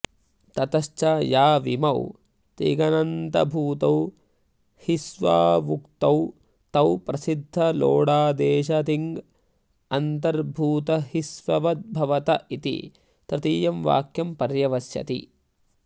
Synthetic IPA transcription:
t̪ɐt̪ɐʃt͡ʃɐjaːʋimɐ̰w | t̪ḭːɡɐnɐnt̪ɐbʱuːt̪ɐw | hisʋa̰ːmukt̪ɐw | t̪ɐwpɾɐsid̪ʱːɐlo̰ːɽaːd̪eːʃɐt̪iŋɡ | ɐnt̪ɐɾbʱuːt̪ɐhisʋɐʋɐt̪̚bʱɐʋɐt̪ɐʔit̪ḭ | t̪ɾɪt̪iːjɐmʋa̰ːkjɐmpɐɾjɐʋɐsjɐ̰t̪ḭ

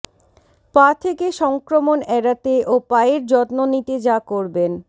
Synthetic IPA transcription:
pat̪ʰekeʃɔŋkɾomonɛɾat̪eʔopaeɾd͡ʑɔt̪nonit̪ed͡ʑakoɾben

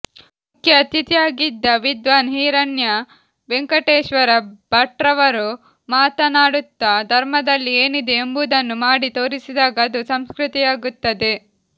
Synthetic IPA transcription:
mukʰjɐːt̪it̪ijaːɡid̪ːɐʋid̪ʋaːnɦiːɾɐnjɐ | ʋeŋkɐʈeːʃʋɐɾɐbʱɐʈɾɐʋɐɾu | maːt̪ɐnaːɽut̪ːɐd̪ʱɐɾmɐd̪ɐlːieːnid̪e̞ːmbuːd̪ɐnːumaːɽit̪o̞ːɾisid̪aːɡɐːd̪usɐmskɾut̪ijaːɡut̪ːɐd̪e̞

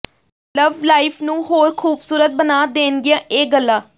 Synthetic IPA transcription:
ləʋlaːifʰnũːɦoːɾkʰuːbsuːɾət̪̚bənaːd̪eːnɡɪãːʔeːɡəlːaː

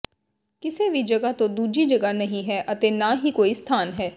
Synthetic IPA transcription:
kɪseːʋid͡ʒəɡat̪õːd̪uːd͡ʒiːd͡ʒəɡanəɦĩɦɛːʔət̪eːnaːɦiːkoːiːst̪ʰaːnɦɛː

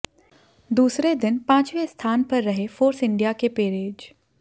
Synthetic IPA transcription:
d̪uːsɾed̪ɪnpãːt͡ʃʋest̪ʰaːnpɐɾːɐɦefʰoːɾsɪ̃ɳɖijakepeːɾeːd͡ʒ

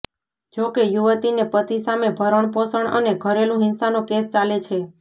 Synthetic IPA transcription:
d͡ʒokejuʋət̪inepət̪isamebʱəɾəɳ̃posəɳə̰neɡʱəɾelũɦɪ̃nsanokest͡ʃalet͡ʃʰe

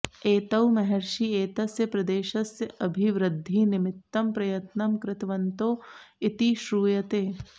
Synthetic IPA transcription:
eːt̪ɐwmɐɦɛɾʃieːt̪ɐsjɐpɾɐd̪eːʃɐsjɐbʱiʋɾɪd̪ʱːinɪmɪt̪ːɐmpɾɐjɐt̪nɐmkɾɪt̪ʋɐnt̪oːɪt̪iʃɾuːjɐt̪eː

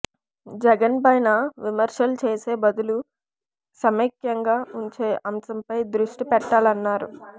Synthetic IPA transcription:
d͡ʒɛɡɐnpɐjnɐʋimɐɾʂɐlut͡ʃeːse̞ːbɐd̪ulu | sɐmekjɐŋɡaːuɲt͡ʃeːʔɐmsɐmpɐjd̪ɾuʂʈipɛʈːaːlɐnːaːɾṵ

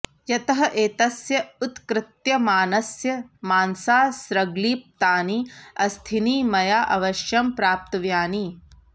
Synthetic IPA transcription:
jɐt̪ɐɦɐʔeːt̪ɐsjɐut̪kɾɪt̪jɐmaːnɐsjɐmaːnsaːsɾɐɡliːp̚t̪aːniɐst̪ʰiniːmɐjaːʔɐʋɐʃjɐmpɾaːp̚t̪ɐʋjaːni

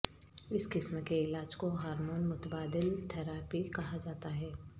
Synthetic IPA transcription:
ɪskɪsmkeɪlaːd͡ʒkoɦaːɾmoːnmʊt̪əbaːd̪ɪlt̪ʰɛɾaːpikɐɦad͡ʒaːt̪aɦɛː

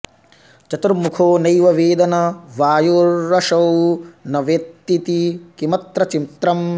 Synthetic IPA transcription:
t͡ʃɐt̪uɾmukʰoːnɐjʋɐʋeːd̪ɐnɐʋaːjoɾːɐʃɐwnɐʋet̪ːit̪ikimɐt̪ɾɐt͡ʃint̪ɾɐm

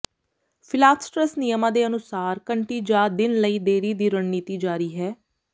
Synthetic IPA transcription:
pʰɪlaːsʈɾəsnijəmãːd̪eːənʊsaːɾkəɳʈiːd͡ʒaːd̪ɪnləiːd̪eːɾiːd̪iːɾənniːt̪iːd͡ʒaːɾiːɦɛː

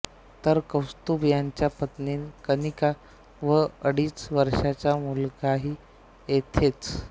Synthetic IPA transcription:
t̪əɾkəwst̪ubjaɲt͡ɕjapət̪niːnkənika | ʋəəɽiːt͡sʋəɾʂat͡ɕamulɡaɦiː | jet̪ʰet͡s

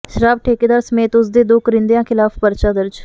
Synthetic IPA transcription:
ʃəɾaːb̚ʈʰeːkeːd̪aːɾsəmeːt̪ʊs̬d̪eːd̪oːkəɾɪ̃nd̪ejãːkʰɪlaːpʰpəɾt͡ʃaːd̪əɾd͡ʒ

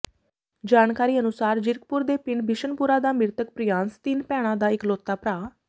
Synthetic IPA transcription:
d͡ʒaːnkaːɾiːənʊsaːɾd͡ʒɪɾk̚pʊɾd̪eːpɪɳɖbɪʃənpʊːɾaːd̪aːmɪɾt̪əkpɾɪjãːnst̪ɪnpɛːɽ̃ãːd̪aːɪkloːt̪ːaːpɾaː

